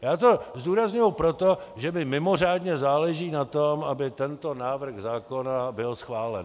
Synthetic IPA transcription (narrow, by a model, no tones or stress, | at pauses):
jaːt̪o̞zd̪uːɾazɲʊjupɾot̪o̞ʒɛmɪmɪmo̞r̝aːdɲɛzaːlɛʒiːnat̪omabɪt̪ɛnt̪o̞naːvr̩ɣzaːkonabɪlsxvaːlɛn